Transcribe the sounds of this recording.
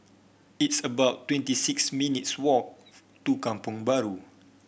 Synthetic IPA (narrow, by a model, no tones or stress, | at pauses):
itsəbaʊtːwɛ̃ntisiksmĩnitswɔk̚ | tukãmpʊ̃ŋbaɹu